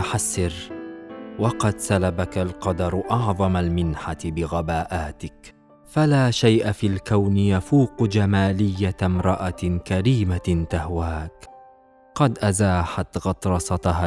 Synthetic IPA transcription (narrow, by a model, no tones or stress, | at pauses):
ħasːɪɾ | wɑqɑd̪salabakalqɑd̪ɑɾˤʔɑʕðˤɑmalmɪnħat̪ɪbɪɣabaːʔaːt̪ɪk | falaːʃajʔafiːlkawnɪjafuːqd͡ʒamaːlɪjːamɾˤɑʔakaɾiːmat̪ahwaːk | qɑd̪ʔazaːħat̪ɣɑt̪ˤɾˤɑsˤɑt̪ha